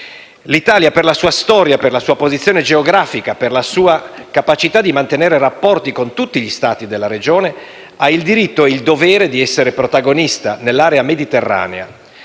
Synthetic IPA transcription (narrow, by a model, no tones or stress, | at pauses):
lit̪aːljaperlasuːast̪ɔːɾjaperlasuːapozit̪sːjoːned͡ʒeoɡɾaːfikaperlasuːakapat͡ʃit̪ad̪imant̪eneːɾerapːɔrt̪ikont̪ut̪ːiʎist̪aːt̪id̪elːaɾed͡ʒoːne | aild̪iɾit̪ːoeild̪ovɛːɾed̪iɛsːeɾepɾot̪aɡonist̪anelːaːɾeamed̪it̪erːa̰ːnḛa̰